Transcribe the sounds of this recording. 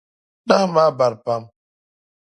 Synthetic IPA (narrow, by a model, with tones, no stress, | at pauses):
na˦hma˦ba˨ɾpa˦m